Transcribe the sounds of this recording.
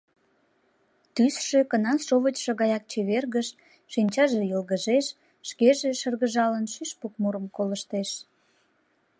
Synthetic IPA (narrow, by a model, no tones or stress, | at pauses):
t̪ysʃekənɑʃoβət͡ɕʃə̆ɣɑjɑk̚t͡ɕeβerɣəʃ | ʃinʲt͡ɕɑʒejəlɣəʒeʃ | ʃkeʒeʃərɣəʒɑlənʃyʃpuk̚muɾəmkoləʃt̪eʃ